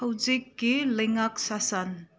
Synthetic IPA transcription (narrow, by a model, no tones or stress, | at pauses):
ɐwzikːilɐjŋak̚sasan